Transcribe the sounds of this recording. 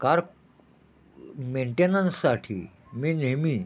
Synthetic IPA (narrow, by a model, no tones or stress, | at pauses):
kaɾ | meɳʈenənsːaʈʰḭː | mineɦmiː